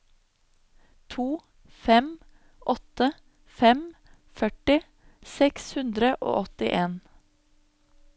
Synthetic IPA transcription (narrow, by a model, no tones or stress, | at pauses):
t̪ʰuː | fɛm | ʔɔt̪ə | fɛm | fœʈɪ | sɛkshʉnd̪ɾəʔo̰ːʔɔt̪ɪ̰ʔeːn